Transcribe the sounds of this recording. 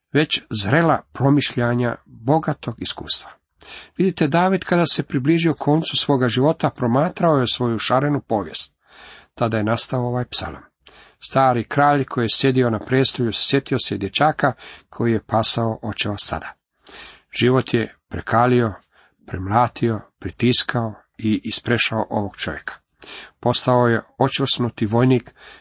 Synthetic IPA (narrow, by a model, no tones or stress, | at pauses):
ʋe̞t͡ɕzɾe̞lapɾo̞miʃʎaɲa̰bo̞ɡat̪o̞ɡiskṵːst̪ʋḁ | ʋid̪it̪e̞d̪aːʋid̪kʰad̪ase̞pɾibliːʒio̞kʰo̞ːnt̪susʋo̞ːɡaʒiʋo̞t̪apɾo̞maːt̪ɾaojesʋo̞juʃaɾe̞nupo̞ːʋje̞̰st̪̚ | t̪ad̪ajenast̪aooʋaːjpsa̰lo̰m | st̪aːɾikɾaːʎkʰojijesje̞d̪io̞napɾest̪oʎussje̞t̪iosed̪jet͡ɕaːkakʰo̞jije̞paːsaoʔot͡ɕeʋast̪a̰d̪a | ʒ̥iʋo̞t̪jepɾḛkʰaːlio̞ | pɾemlaːt̪ʰio̞pɾit̪iskʰao | iʔispɾeʃaoʔo̰ʋoɡ̥t͡ʃoʋjekʰḁ | po̞st̪aoje̞o̞t͡ʃesnut̪iʋo̞jniːk